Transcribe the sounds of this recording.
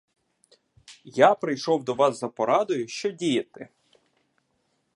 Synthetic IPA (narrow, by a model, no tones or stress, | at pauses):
japɾɪjʃɔwd̪ɔʋɑszɐpɔɾɑd̪ʊjʊʃt͡ʃɔdʲijɐt̪ɪ